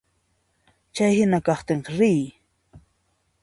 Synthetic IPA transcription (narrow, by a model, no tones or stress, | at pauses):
t͡ʃajhɪnakɑχt̪ɪɴqɑɾɪj